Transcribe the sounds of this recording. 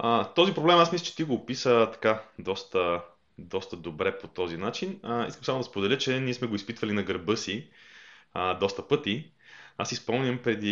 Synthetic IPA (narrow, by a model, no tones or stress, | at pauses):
ət̪ɔzipɾoblɛmasmislət͡ʃɛ̥t̪iɡoːpisət̪ɐ̥kad̪ɔst̪ə | d̪ɔst̪əd̪obɾɛpot̪ɔzinat͡ʃinḭskəmsamod̪ɐspod̪ɛlʲət͡ʃɛniɛsmɛɡoispit̪v̥ɐlinɐɡəɾbɤsi | əd̪ɔst̪əpɤt̪i | asispolmnʲəmpɾɛd̪i